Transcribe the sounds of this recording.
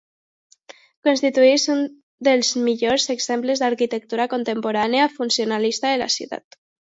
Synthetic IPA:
konst̪it̪uisun | d̪elzmiʎoɾzeɡzemplezðaɾkit̪ek̚t̪uɾakont̪empoɾaneafunsionalist̪aela̰sjṵt̪a̰t̪

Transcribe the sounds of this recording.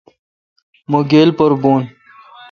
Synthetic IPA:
moɡeːlpoɾbuːn

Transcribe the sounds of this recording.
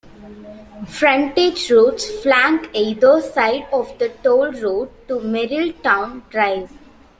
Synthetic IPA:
fɾɛ̃ɳʈɪd͡ʒɾuːʈsflæ̃ŋkeːd̪oːsaɪɖɔːʋd̪əʈoːlɾoːɖʈumeɾɪlʈãʊ̃nɖɾaɪʋ

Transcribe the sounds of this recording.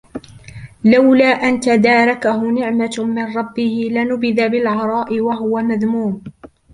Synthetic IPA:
lawlaːʔant̪ad̪aːɾˤɑkaɦʊnɪʕmamɪnɾˤɑbːɪhɪlanʊbɪd̪abɪlʕɑɾˤɑːʔɪwaɦʊwamaðmuːm

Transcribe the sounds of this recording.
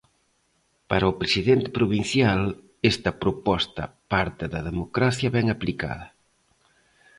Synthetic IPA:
paɾɐʊpɾesiðent̪ɪ̥pɾoβin̟θjal | ɛst̪ɐpɾopɔst̪ɐpaɾt̪ɪðɐðemokɾaθjɐβɛŋaplika̰ðɐ

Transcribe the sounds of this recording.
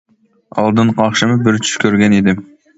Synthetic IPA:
ɑ̰lˠd̪ɨnqʰɑχʃɨmɨbɪɾt͡ʃʰy̥ʃkʲʰøɾɡʲɛnid̪ɪm

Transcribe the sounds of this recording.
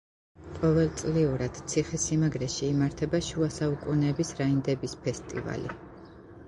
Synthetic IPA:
qʼɔvɛlˠt̪sʼliuɾad̪̥t̪sʰiχɛsimaɡɾɛʃiːmaɾt̪ʰɛbaʃuasaukʼunɛːbisɾaind̪ɛbispʰɛst̪ʼḭva̰lḭ

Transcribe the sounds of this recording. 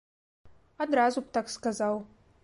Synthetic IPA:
ad̪ɾazupt̪akskazawˠ

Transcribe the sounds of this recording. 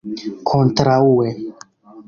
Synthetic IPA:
kʰont̪ɾaue

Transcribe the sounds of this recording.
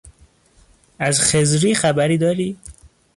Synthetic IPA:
æzxezɾiːxæbæɾiːd̪ɒːɾiː

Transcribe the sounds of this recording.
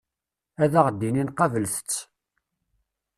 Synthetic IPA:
æðaʁəd̪ːininqɑvəlθə̥t͡sː

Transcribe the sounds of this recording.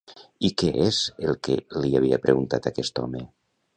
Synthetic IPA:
ikeʔezelˠkḛliaβ̞iapɾeɣunt̪at̪akɛst̪ɔme

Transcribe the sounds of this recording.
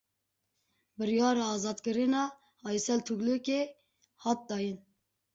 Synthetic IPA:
bɨɾjɑːɾɑɑːzɑːd̪kɨɾɨnɑː | ɑːjsɛlt̪ʰuɡluke | hɑːt̪̚d̪ɑːjən

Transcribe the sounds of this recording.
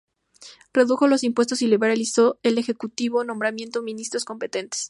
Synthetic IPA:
re̞ðuxo̞lo̞simpwe̞s̬t̪o̞siliβe̞ɾaliso̞e̞le̞xe̞kut̪iβo̞nõmbɾamje̞nt̪omĩnist̪ɾo̞sko̞mpe̞t̪e̞nt̪e̥s

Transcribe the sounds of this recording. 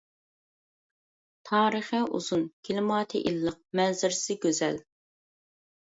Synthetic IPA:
t̪ʰɑːɾəχəʔuz̥unkʲʰilɪmɑːt̪ʰɪ̰ʔilːəq̚mɛnzɪɾsɪɡʲøzɛ̰l

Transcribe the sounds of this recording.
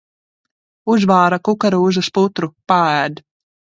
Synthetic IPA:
uzvaːɾakukaɾuuːʒusput̪ɾupaæːd̪

